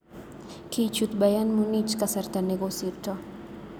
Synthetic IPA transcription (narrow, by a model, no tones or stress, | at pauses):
kit͡ʃut̪bajanmunit͡ʃkasaɾt̪aneɡosiɾtɔ